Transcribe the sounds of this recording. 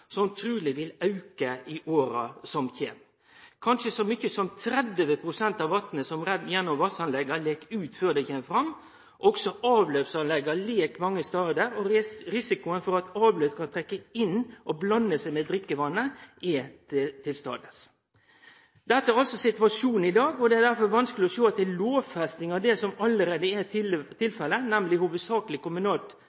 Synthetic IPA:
sɔmt̪ʰɾʉːlɪʋɪlɑʉkəɪʔoːɾɑsɔmçeːn | kʰɑnʂəsɔmʏçːəsɔmt̪ʰɾɛd̪əʋəpʰɾʊsɛnt̪ɑʋʋɑt̪nəsɔmɾɛd̪jɛnːɔmʋɑsɑnlɛɡɑleːkʉːt̪føːd̪ɛçɛmfɾɑmː | ʔɔksɔʔɑːʋløːpsɑnlɛɡːɑleːkmɑŋːəst̪ɑɾd̪əɾɔɾɪsɪkʊənfɔɾɑt̪ɑːʋløːkʰɑnt̪ʰɾɛkːəɪnːʔɔblɑnːəsɛɪmɛːd̪ɾɪkːəʋɑnːəʔɪt̪ʰɪlst̪ɑ̰ːd̪əs | d̪ɛt̪ːəæɾɑlsɔsɪt̪ʋɑʂuːn̩ɪd̪ɑːɡɔd̪ɛæd̪æɾfɔɾʋɑnskəlɪɔʃoːɑt̪̚ɛloːʋfɛst̪ɪŋɑʋd̪ɛsɔmɑlːəɾeːd̪əæt̪ʰɪlfɛlənæmlɪhuːʋəd̪sɑːklɪkʊmʉnɑːlt̪

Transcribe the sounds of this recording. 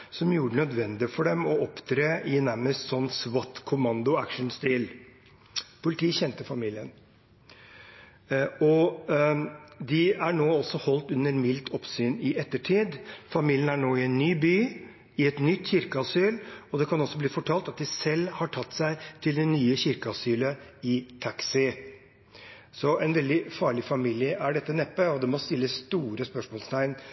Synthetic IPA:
sɔmjuːɖənœd̪ʋɛnd̪ɪfɔɖɛmɔɔpt̪ʰɾeːɪnæɾməst̪sɔnːsʋɔt̪kʰʊmɑnd̪ʊækʂn̩st̪ɪl | pʰʊlɪt̪ʰiːçɛnt̪əfɑmiːlɪən | ɔ | d̪ɪæɳoːɔsːɔhɔlt̪ʉnːəɾmɪlt̪ʰɔpsyːnɪʔɛt̪ːəʈʰiːd̪fɑmiːljənæɳoːɪɛnːyːbyː | ɪɛt̪nʏt̪ːçɪɾkəɑsyːlɔd̪ɛkʰɑnɔsːɔbliːfɔʈʰɑːlt̪ɑt̪̚d̪ɪsɛlːhɑʈʰɑt̪ːsæɪt̪ʰɪld̪ɛnyːəçɪɾkəɑsyːləɪt̪ʰɑksɪ | sɔɛnʋɛld̪ɪfɑːɭɪfɑmiːlɪəʔæɖɛt̪ːənɛpːəɔd̪ɛmɔst̪ɪlːəsːt̪uːɾəspœʂmɔːlst̪ʰæɪn

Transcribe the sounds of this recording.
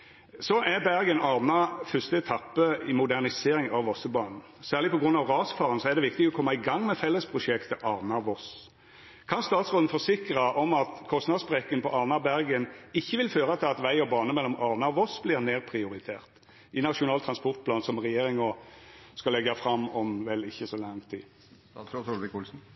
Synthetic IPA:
sɔʔæbæɾɡənɑʁnɑfœst̪əɛt̪ʰɑpːəɪmʊd̪æʁnɪseːɾɪŋɑʋɔsəbɑːnn̩ | sæːʁlɪpʰɔɡʁʉnːɑʋʁɑːsfɑːʁənsɔæʁd̪ɛʋɪk̚t̪ɪɡɔkʰɔmːɑɪɡɑŋːmɛfɛlːəspʰʁʊʂɛkt̪ʰəʔɑʁnɑʋɔs | kʰɑnst̪ɑːt̪sʁoːd̪n̩fɔsɪkɾəʔɔmɑt̪kʰɔst̪nɑd̪sbʁɛkːənpʰɔʔɑʁnɑbæɾɡənɪçːəʋɪlføːɾət̪ʰɪlɑt̪ʋæɪɔbɑːnəmɛlːɔmʔɑʁnɑʋɔsblɪʁneːʁpʰʁɪʊɾɪt̪ʰḛːʁt̪ | ɪnɑʂʊnɑːlt̪ʰɾɑnspɔʁt̪̚pʰlɑːnsɔmʁɛjeːɾɪŋɔskɑlɛɡɑfɾɑmɔmʋɛlɪçːəsɔlɑŋt̪ʰiː | kʊlsn̩

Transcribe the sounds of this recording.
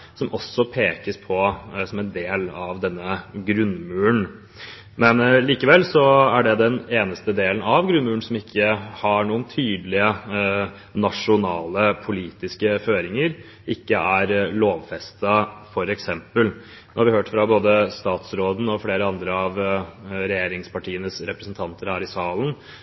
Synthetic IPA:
sɔmʔɔsːɔpʰeːkəspʰɔsɔmɛnd̪eːlɑʋd̪ɛnːəɡɾʉnmʉːəɳ | mɛnliːkəʋɛlːsɔæɖɛd̪ɛneːnəst̪əd̪eːlənɑʋɡɾʉnmʉːɳsɔmɪkʰːəhɑɳuːənt̪ʰyːd̪lɪə | nɑʂʊnɑːləpʰʊliːt̪ɪskəføːɾɪŋəɾ | ʔɪkːəʔæɾloːʋfɛst̪ɑfɔɾɛksɛmpəl | noːhɑɾʋɪhøːʈfɾɑboːd̪əst̪ɑːt̪sɾoːd̪n̩ɔfleːɾəɑnd̪ɾəɑʋɾɛjeːɾɪŋspɑʈʰiːənəsɾɛpɾəsnt̪ʰɑnt̪əɾhæːɾɪsɑːlən

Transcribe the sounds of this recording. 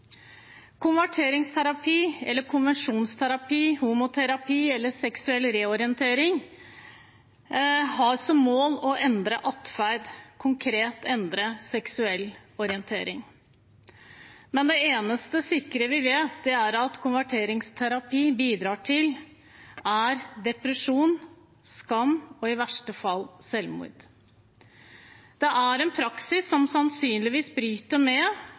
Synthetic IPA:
kʰʊnʋæʈʰeːɾɪŋst̪ʰæɾɑpʰiːɛ̰lːəɾkʰʊnʋɛnʂuːnst̪ʰæɾɑpiːhuːmʊt̪ʰɛɾɑpʰiːɛlːəsɛksʉɛlːɾeːɔɾɪənt̪ʰeːɾɪŋ | hɑɾsɔmmoːlɔʔɛnd̪ɾəʔɑt̪fæɾd̪kʰʊŋkʰɾeːt̪ɛnd̪ɾəsɛksʉɛlːɔɾɪənt̪ʰeːɾɪŋ | mɛnd̪ɛeːnəst̪əsɪkːɾəʋɪʋeːt̪̚d̪ɛæɾɑt̪kʰʊnʋæʈʰeːɾɪŋst̪ʰæɾɑpʰiːbiːd̪ɾɑːʈʰɪl | æɾd̪ɛpɾəʂuːn | skɑmːɔɪʋæʂʈəfɑlsɛlmṵɾd̪̥ | d̪̥ɛʔæɾɛnpʰɾɑksɪsːɔmsɑnsyːnlɪʋiːsbɾyːt̪əɾmɛ

